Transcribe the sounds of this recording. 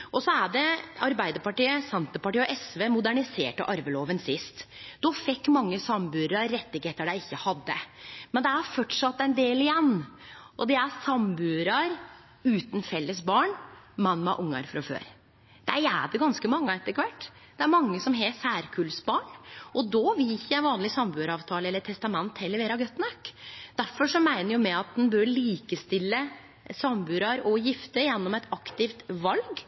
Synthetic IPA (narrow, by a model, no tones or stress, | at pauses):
ʔɔsɔæɖɛɑɾbæɪd̪əɾpɑʈiːəsɛnt̪əpɑʈiːɔʔɛsʋeːmʊd̪æɳɪsḛːʈɑʔɑɾʋəloːʋənsɪst̪d̪ɔfɛkːmɑŋːəsɑmbʉːɾɑɾːɛt̪ːɪɡheːt̪əɖæɪɪçːəhɑd̪ːəmɛnd̪ɛæɾfɔʈʂɑt̪ːɛnd̪eːlɪjɛnːʔɔd̪ɛæsɑmbʉːɾɑɾ | ʉːt̪n̩fɛlːəsbɑːɳmɑnːmɑ̰ʔʊŋːɑ̰ɾfɾɑfø̰ːɾ | d̪̥æɾæ̰ɖɛɡɑnskəmɑŋːəɛt̪ːəkʰʋæʈː | d̪̥ɛæɾmɑŋːəsɔmɦeːt̪sæːɾkʰʉːlsbɑːɳɔd̪oːʋɪlɪçːəjæʋɑːnlɪsɑmbʉːɾɑːʋt̪ʰɑːləɛlːəʈʰɛst̪ɑmɛnt̪hɛlːəɾʋeːɾɑɡœt̪ːnɑkːd̪̥æɾfɔʂɔmæɪnəɾjʊmɛɑt̪̚d̪ɛnbøɾliːkəst̪ɪlːə | sɑmbʉːɾɑɾɔjɪft̪əjɛnːɔmɛt̪ɑkt̪ɪft̪ʋɑlɡ